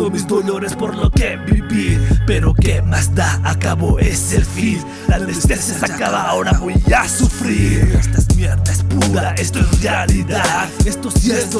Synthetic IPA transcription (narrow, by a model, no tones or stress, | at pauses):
omizd̪o̞lo̞ɾespo̞ɾloke̞βiβiɾpe̞ɾo̞kemazd̪aakaβo̞esefin | laðest̪esjasakaβaoɾaβojasufɾiɾest̪aezmjeɾðaespuɾaaest̪oesrealiðaðest̪osjeɾt̪o